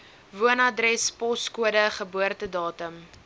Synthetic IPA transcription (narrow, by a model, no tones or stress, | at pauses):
vuənɐdrɛspɔskuədəχəbuərtədɑːtəm